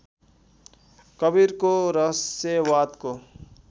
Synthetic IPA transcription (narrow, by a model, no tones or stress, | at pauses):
kʌbiɾkoɾʌsewat̪ko